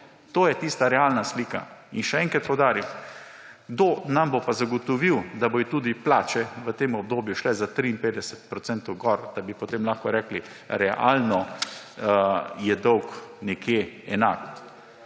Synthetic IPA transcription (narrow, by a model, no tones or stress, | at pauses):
t̪oːjɛt̪iːst̪aɾɛalnasliːka̰inʃɛɛ̃ŋkɾat̪̚pɔwd̪aːɾiw | ɡd̪oːnambopazaɡot̪ɔʋiwd̪abojit̪uːd̪iplaːt͡ʃɛʋət̪eːmɔb̚d̪oːbjuʃlɛzat̪ɾiːnpeːd̪ɛsɛt̪pɾɔt̪sɛnt̪ɔwɡɔɾd̪̥abipot̪emlaxkɔɾɛːkli | ɾɛʔa̰lnɔ | jɛd̪ɔwknɛkjeɛnak